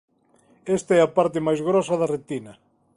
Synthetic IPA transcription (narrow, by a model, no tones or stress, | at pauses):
est̪aɛapaɾt̪ɪmajzɣɾɔsɐðɐret̪inɐ